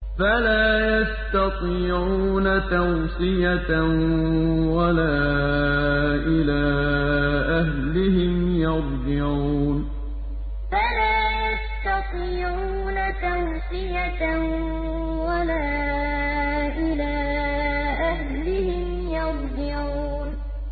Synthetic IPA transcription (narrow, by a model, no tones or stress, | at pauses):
falaːjast̪ɑt̪ˤiːʕuːnat̪awsɪja | walaː | ʔɪlaː | ʔaɦlɪhɪmjɑðˤd͡ʒɪʕuuːn | falaːjast̪ɑt̪ˤiːʕuːnat̪awsɪja | walaː | ʔɪlaː | ʔaɦ | lɪhɪm | jɑɾˤd͡ʒɪʕ | uːn